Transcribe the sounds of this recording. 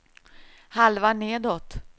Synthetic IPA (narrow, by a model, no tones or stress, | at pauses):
halvaɳeːd̪oːt̪